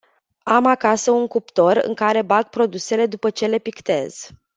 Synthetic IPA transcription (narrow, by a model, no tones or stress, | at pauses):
amakasəuŋkupt̪o̞ɾɨ̰ŋkaɾe̞baɡ̚pɾo̞d̪use̞le̞d̪upət͡ʃe̞le̞pikt̪e̞̰z̥